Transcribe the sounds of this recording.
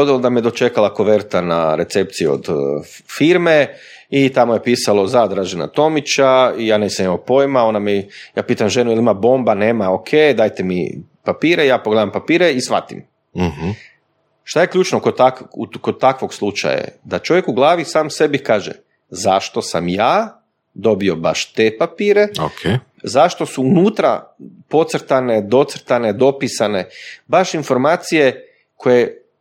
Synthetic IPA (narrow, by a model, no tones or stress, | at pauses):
od̪ilod̪amijed̪o̞t͡ʃe̞kalˠako̞ʋeɾt̪ana̰ɾe̞t̪sep̚t̪sieo̞̰d̪ | fiɾme | it̪amojepiːsalo̞zad̪ɾaʒena̰t̪o̞mit͡ʃaijaːnesamimapo̞jmao̞nameja̰ːpiːt̪amʒenujelimabo̞mbane̞ːmaokʰejd̪aːjt̪emḭ | papiːɾejaːpoɡled̪ampapiːɾeisʋa̰t̪ḭm | ʃt̪aje̞klʲʎuːt͡ʃnokod̪̚t̪akukod̪̚t̪akʋo̞ɡslˠut͡ʃa̰ja̰d̪at͡ʃo̞ʋje̞kuɡlˠaːʋisaːmse̞bikaːʒḛ | zaʃt̪o̞samjaː | d̪o̞bio̞baʃt̪e̞papiːɾe̞okʰe | zaʃt̪o̞suunuːt̪ɾa̰po̞t̪sɾ̩t̪ane̞d̪o̞t̪sɾ̩t̪aned̪o̞pisane̞baʃinfo̞ɾmaːt̪sije̞ | kʰoje